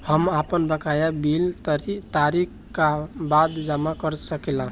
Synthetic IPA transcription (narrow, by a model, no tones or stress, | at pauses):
həmapənbəkajabilt̪əɾit̪aɾikʰ | kabad̪d͡ʒamakəɾsəkɛlã